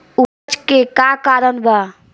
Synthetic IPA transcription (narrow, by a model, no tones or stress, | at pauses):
u | t͡ʃkekakaɾənba